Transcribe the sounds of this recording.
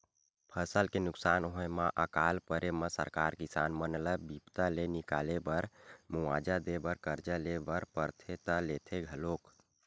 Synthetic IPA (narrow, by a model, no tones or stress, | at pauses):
pʰəsəlkenuksanɦoemaʔəkalpəɾʔeməsə̰ɾkaɾkisa̰nmənləbipt̪alenikalebəɾmuad͡ʒad̪ebəɾkəɾd͡ʒəlebəɾpəɾt̪ʰet̪əlet̪ʰeɡʱəlok